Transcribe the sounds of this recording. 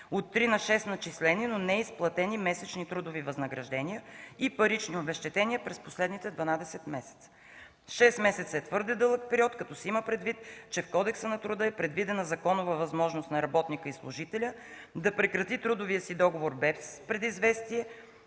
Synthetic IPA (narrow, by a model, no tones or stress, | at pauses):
ot̪ːɾinɐʃɛst̪nɐt͡ʃislɛninonɛisplˠɐt̪ɛnimɛsɛt͡ʃnit̪ɾud̪ovivɐznɐɡɾɐʒd̪ɛnʲijəipɐɾit͡ʃniobɛʃt̪ɛt̪ɛnʲiəpɾɛsposlɛd̪nit̪ɛd̪vɐnad̪ɛsɛt̪mɛsɛ̥t̪sə̥ | ʃɛsmɛsɛt̪səɛt̪vɤɾd̪ɛd̪ɤlˠək̚pɛɾiɔt̪kɐt̪ɔsɛiməpɾɛd̪vit̪t͡ʃɛfkɔd̪ɛksənɐt̪ɾʊd̪ɤɛpɾɛd̪vid̪ɛnɐzɐkɔnʊvəvɐzmɔʒnost̪nɐɾɐbɔt̪nikəislˠʊʒit̪ɛlʲə | d̪ɐpɾɛkɾɐt̪it̪ɾud̪ʊvijəsid̪ɔɡovoɾbɛspɾɛd̪izvɛst̪iɛ